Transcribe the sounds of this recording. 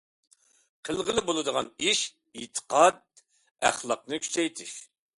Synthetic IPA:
qʰəlˠʁəlˠɪbolˠɨd̪əʁɑniʃ | it̪ʰə̥qʰɑd̪̚ | æ̰χlˠɑq̚nɨkʲʰy̥t͡ʃʰɛjt̪ʰɪʃ

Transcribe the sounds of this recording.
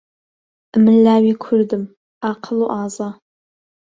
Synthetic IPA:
mɨɮaːwiːkʷʰʊrdɨm | aːqʰəluːʔaːza

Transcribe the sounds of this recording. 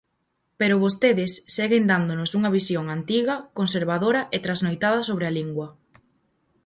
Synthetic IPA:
peɾʊβost̪eðɪsːeɣend̪and̪onʊsuŋɐβisjoŋant̪iɣɐkonseɾβaðoɾɐʔet̪ɾaznojt̪að̞ɐsoβɾealiŋɡwɐ

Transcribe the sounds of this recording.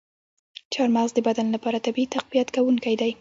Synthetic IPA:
t͡ʃɑɾmazd̪əbad̪anlapɑɾat̪abiit̪aqbijat̪kawuŋkajd̪aj

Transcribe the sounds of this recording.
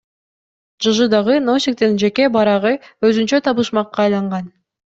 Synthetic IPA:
d͡ʒɯʒɯd̪ɑʁɯnosʲik̚t̪end͡ʒe̞kebɑɾɑʁɯøzynt͡ʃøt̪ʰɑβɯʃmɑqːɑːjlˠɑɴʁɑn

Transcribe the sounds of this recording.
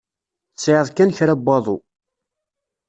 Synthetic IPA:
t͡sːʕəðˤkænçɾæbːɑðˤṵ

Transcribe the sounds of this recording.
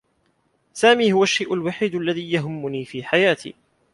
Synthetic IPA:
saːmiːhʊwaʃːajʔʊlwaħiːd̪ʔalːaðiːjaɦʊmːʊniːfiːħajaːt̪ʰḭː

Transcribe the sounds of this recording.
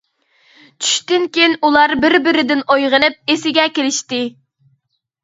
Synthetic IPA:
t͡ʃʰy̥ʃt̪ɪnkʲejnulˠɑɾbɪɾbɪɾɪd̪ɪnojʁənɨp̚esɪɡʲɛkʲelɪʃt̪ɪ

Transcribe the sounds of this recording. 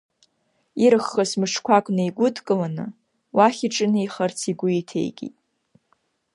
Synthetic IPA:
iɾɨχːasmɨʂʰkʷʰakʷʼnɨiɡʷʊdʰkʼɨlanɨ̰ | waχʲiʈ͡ʂʼɨnɨiχart͡sʰiɡʷʊitʰe̞̰jɡʲʼḭtʼ

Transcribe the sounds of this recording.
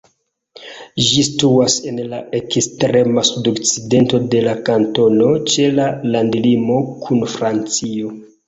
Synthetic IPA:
ʒistuase̞nlaekstɾe̞masudo̞kt͡side̞nto̞de̞lakanto̞no̞t͡ʃe̞lalandlimo̞kʰunfɾant͡sio̞

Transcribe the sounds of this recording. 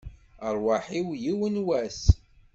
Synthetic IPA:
əɾˤwaħiwjiwənwæs

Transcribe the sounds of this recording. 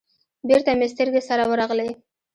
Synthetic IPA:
beɾt̪amest̪əɾɡesaɾawəɾɑɣlej

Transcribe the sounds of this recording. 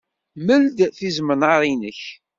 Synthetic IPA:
məld̪θizmənəɾˤinəç

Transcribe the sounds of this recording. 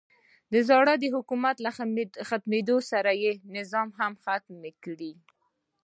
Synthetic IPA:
d̪əzɑɽəd̪əɦʊkumat̪laxat̪med̪osaɾajenɪzɑmɦamxat̪mekɽi

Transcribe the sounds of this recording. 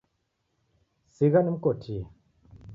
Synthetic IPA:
siɣanɨmkotʰi

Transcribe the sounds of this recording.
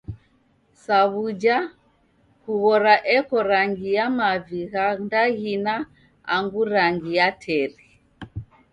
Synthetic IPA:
saβud͡ʒa | kuɣɔɾaʔɛkɔɾaŋɡijamaviɣandaɣina | aŋɡuɾaŋɡijatʰɛɾi

